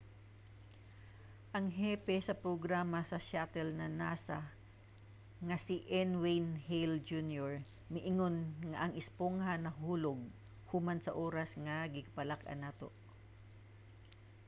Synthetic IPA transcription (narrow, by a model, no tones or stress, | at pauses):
ʔɐŋɦɛːpɛsɐpɾoɡɾaːmɐsɐʃat̪ɛlnɐnaːsɐ | ŋɐsɪʔɛnwejnhɛjld͡ʒunjoɹ | mɪʔɪŋo̞nŋɐʔɐŋɪspoŋhanɐɦuːloɡ̚ | humansɐʔo̞ːɾɐsŋɐɡɪɡ̚pɐlakʔɐ̰naːt̪o̞̰ʔ